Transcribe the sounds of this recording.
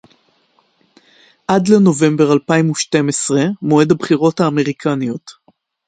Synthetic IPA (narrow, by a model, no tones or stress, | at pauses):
ʔadleno̞ve̞mbeʁalpaimuʃte̞mesʁemo̞edabχiʁo̞thaːme̞ʁikʰanio̞t